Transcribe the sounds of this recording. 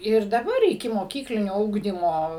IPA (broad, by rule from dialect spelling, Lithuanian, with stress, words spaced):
ɪr dɐˈbɐr ɪkʲɪmoːˈkʲiːklʲɪnʲoː ˈʊɡdʲiːmoː